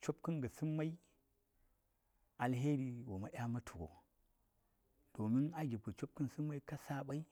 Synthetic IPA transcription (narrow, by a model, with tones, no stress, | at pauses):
t͡ʃo˦p̚kɨ˦nɡə˨sɨ˦mːa˦i˦ | a˨lɦe˦ɾi˨wo˨ma˦ʔʲja˦ma˦tʰu˨ɡo̰˨ | d̥o˨mi˦na˦ɡʲi˨ku˨t͡ʃo˦p̚kɨ˦nsɨ˦mːa˦i˦ka˦sa˦ɓa˦i˦